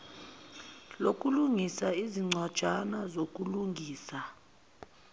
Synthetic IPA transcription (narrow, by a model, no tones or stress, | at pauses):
lokʼuluŋisaiziŋ͡ǀʱwad̥ʒ̥ʱanazokʼuluŋɡʱiːsa